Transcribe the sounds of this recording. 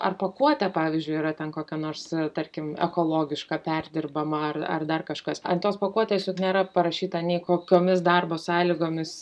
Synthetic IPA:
ʔɐrpɐkuɔt̪ʲɛpɑːʋʲɪzʲd͡ʒʲʊɪiɾɐt̪ʲɛnkoːkʲɛnoːrst̪ɐɾʲkʲɪmɛ̰koːlˠoːɡʲɪʃkɑpʲærʲd̪ʲɪrbɐmɐɐrɐ̰rd̪ɐrkɐʃkɐsɐnt̪oːspɐkuɔt̪ʲɛt̪ʲjesʲoːknʲeːɾɐpɐɾɐʃʲiːt̪ɐnʲɛːkoːkʲoːmʲɪsd̪ɐrboːsɑːlʲiɡoːmʲɪs

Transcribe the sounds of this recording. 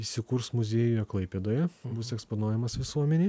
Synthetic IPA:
isʲɪkuɾsmʊzʲeːjʊjɛklˠɐɪpʲeːd̪oːjɛbʊsɛksponuɔjɛmɐsʋʲɪsuɔmʲɛnʲiː

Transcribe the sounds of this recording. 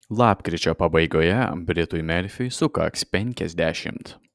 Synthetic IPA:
lˠɑːpʲkɾʲɪt͡ʃʲoːpɐbɐɪɡoːjɛbʲɾʲɪt̪ʊjmʲɛɾʲfʲʊjsʊkɐ̰kspʲɛŋʲkʲɛzʲd̪ʲæːʃʲɪ̰mt̪

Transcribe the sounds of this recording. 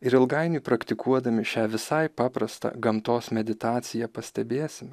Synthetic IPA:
ɪɾɪlˠɡɐɪnʲʊːpɾɐkt̪ʲɪkuɔd̪ɐmʲɪʃʲæːʋʲɪsɐɪpɑːpɾɐst̪ɐ̰ɡɐmt̪oːsmʲɛd̪ʲɪt̪ɑːt̪sʲɪjɛpɐsʲt̪ʲɛbʲeːsʲɪm

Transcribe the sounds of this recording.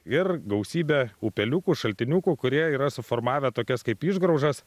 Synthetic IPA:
ɪrɡɐʊsʲiːbʲeuːpʲɛlʲukuːʃɐlʲt̪ʲɪnʲuːkuːkʊɾʲiɛiːɾɐsʊfoːɾmɑːʋʲɛt̪oːkʲɛskɐɪpiːʒɡɾɐʊʒɐs

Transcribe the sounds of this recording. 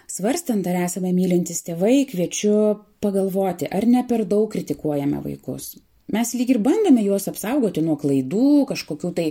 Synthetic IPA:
sʋɐɾʲsʲt̪ɐnt̪ɐɾæːsɐmʲɛmʲiːlʲɪnʲt̪ʲɪst̪ʲeːʋɐɪkʋʲiɛt͡ʃʲʊpɐɡɐlˠʋoːt̪ʲɪʔɐɾnʲɛpʲɛɾd̪ɐʊkːɾʲɪt̪ʲɪkuɔjɛmʲɛ̰ʋɐ̰ɪkʊ̰s | mʲɛslʲiːkʲɪɾbɐnd̪ɐːmʲɛjuɔsɐpsɐʊɡoːt̪ʲɪnuɔklˠɐɪd̪uːkɐʃkoːkʲuːt̪ɐɪ

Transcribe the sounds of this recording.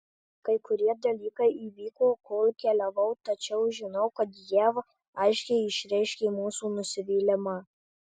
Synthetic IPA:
kɐɪkʊɾʲiɛd̪ɐlʲiːkɐɪʔiːʋʲiːkoːkoːlʲˠkʲɛlʲɛʋɐʊt̪ɐt͡ʃʲɛʊʒʲɪnɐʊkɐt̪jɛʋ | ɐɪʃʲkʲɛɪɪʃʲɾʲɛɪʃʲkʲeːmuːsuːnʊsʲɪʋʲiːlʲɪmɑ

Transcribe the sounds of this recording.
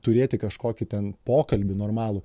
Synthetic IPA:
t̪ʊɾʲeːt̪ʲɪkɐʃkoːkʲɪt̪ʲɛnpoːkɐlʲbʲɪnoːɾmɑːlˠʊ

